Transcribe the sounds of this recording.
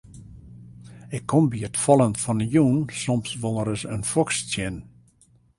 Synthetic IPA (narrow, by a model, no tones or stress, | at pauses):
ɪkʰːombiətfɔlˠənfɔnəjuːnsɔmsʋolˠəɾəsənfɔkstjɪn